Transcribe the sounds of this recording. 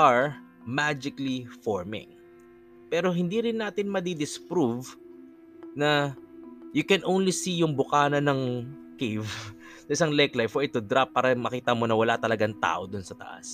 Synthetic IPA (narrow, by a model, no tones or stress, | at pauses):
ʔɐɹ | mad͡ʒɪklifoɹmɪ̰ŋ | pɛɾo̞ɦɪnd̪iɾɪnːaːt̪ɪnmɐd̪id̪ɪspɾuv | nɐ | jʊkɛnʔownlisijʊŋbʊkaːnɐnɐŋ | kejv | sɐʔɪsaŋlɛklajfɔɹɪt̪ʊd̪ɾapːaːɾɐmɐkiːt̪ɐmo̞nɐwɐlat̪ɐlɐɡaŋt̪a̰ːʔo̞d̪ʊnsɐt̪ɐ̰ʔa̰s